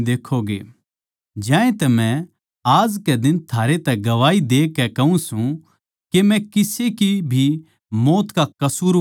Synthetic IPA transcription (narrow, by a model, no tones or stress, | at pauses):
d̪eːkʰoɡḛː | d͡ʒjãːẽt̪ɛmɛ̃ | aːd͡ʒkɛd̪ɪnt̪ʰaːɾet̪ɛɡɐʋaːid̪eːkːɛkɐũsũ | kemɛ̃kɪsekibʱi | moːt̪kakɐsuːɾ